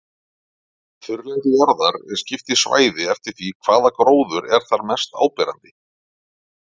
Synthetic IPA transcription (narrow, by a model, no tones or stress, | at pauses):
θʏɾlɛjðɪjaɾðaɾɛ̰scɪft̪ɪisva̰ːjðɪɛft̪ɪɾ̥θvikʰv̥aːðakɾoːwðʏɾɛɾ̥θaɾmɛst̪a̰ːwpɛːɾant̪ɪ